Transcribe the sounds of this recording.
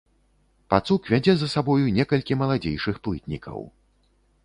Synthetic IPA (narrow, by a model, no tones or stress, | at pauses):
pat̪sukvʲad͡zʲɛzɐsabɔjunʲɛkɐlʲkʲimɐlˠad͡zʲejʂɨxplˠɨt̪ʲnʲikʰɐ̰w